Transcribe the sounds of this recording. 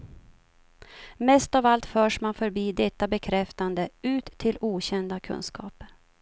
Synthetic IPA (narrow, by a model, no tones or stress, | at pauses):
mɛst̪ɑːvalt̪fœːʂmanfœɾbiːd̪ɛt̪ːabɛkʰɾɛft̪and̪əʉ̟ːt̪ʰːɪluːɕɛnd̪akʰɵ̰nskɑ̰ːp